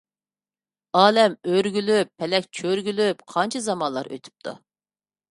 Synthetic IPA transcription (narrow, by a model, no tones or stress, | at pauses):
ɑːlɛmøɾɡʲylypʰːɛlɛkʲt͡ʃʰøɾɡʲylypqʰɑnt͡ʃʰɑzɑmɑnlˠɑ̰ɾʔø̰t̪ʰy̥p̚t̪ʰṵ